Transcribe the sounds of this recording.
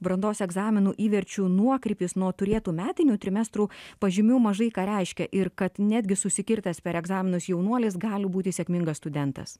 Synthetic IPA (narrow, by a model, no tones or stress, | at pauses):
bɾɐnd̪oːsɛɡzɑːmʲɪnuːʔiːʋʲɛɾʲt͡ʃʲuːnuɔkɾʲɪpʲɪsnuɔt̪ʊɾʲeːt̪uːmʲæːt̪ʲɪnʲuːt̪ʲɾʲɪmʲɛst̪ɾuːpɐʒʲɪmʲuːmɐʒɐɪkɑːɾʲɛɪʃʲkʲɛʔɪɾkɐt̪nʲæːd̪ʲɡʲɪsʊsʲɪkʲɪɾt̪ɐspʲɛɾɛɡzɑːmʲɪnʊsjɛʊnuɔlʲeːsɡɑːlʲɪbuːt̪ʲɪsʲɛkʲmʲɪŋɡɐsst̪ʊd̪ʲɛnt̪ɐ̰s